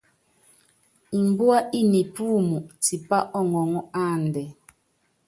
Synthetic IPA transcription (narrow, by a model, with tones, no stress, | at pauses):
i˨m˨bu˦a˦ʔi˦ni˨puː˦mu˨ti˨pa˦ʔɔ˦ŋɔ˨ŋɔ˦a˦˨ndɛ˨